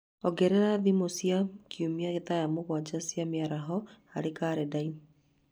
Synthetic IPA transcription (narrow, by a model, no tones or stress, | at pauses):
ɔɡɛɾɛɾaðimosjakʰiumiaɣetajamoɣwad͡ʒasjameaɾaɦɔhaɾekaːɾɛdai